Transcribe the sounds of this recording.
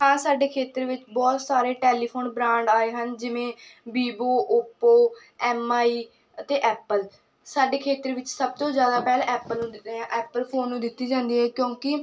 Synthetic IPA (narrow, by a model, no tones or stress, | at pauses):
ɦãːsaːɖeːkʰeːt̪ɾeʋɪt͡ʃbɔːt̪saːɾeːʈɛːliːpʰoːnbɾãːɳɖaːeːɦənd͡ʒɪʋẽːbiːboːʔʊpoː | ɛːmaːiː | ət̪eːʔɛːpəl | saːɖeːkʰeːt̪ɾeʋɪt͡ʃsəb̚t̪õːzjaːd̪aːpɛːlɛːpəlnũːd̪ɪãːʔɛːpəlpʰoːnːũːd̪ɪt̪ːiːd͡ʒãːnd̪iːɦɛːkjõːkɪ